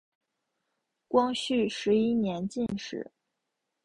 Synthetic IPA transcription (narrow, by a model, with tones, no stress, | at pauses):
kwɑ˥ŋɕy˥˩ʂɻ̩˧˥i˥njɛ˧˥nt͡ɕi˥˧nʂɻ̩̰˨˩˦